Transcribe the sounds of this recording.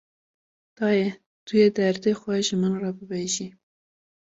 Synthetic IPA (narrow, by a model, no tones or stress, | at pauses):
d̪̥ɑːjɛ | t̪ʰujed̪æɾd̪exʷwɛʒɨmɨnrɑbɨbeʒi